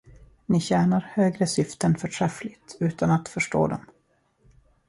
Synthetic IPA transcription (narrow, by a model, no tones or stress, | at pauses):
nɪɕæːɳaɾhøːɡɾəsʏft̪ənfœʈʰɾɛflɪt̪ʉ̟ːt̪ʰanat̪fœʂʈo̰ːd̪ɔ̰m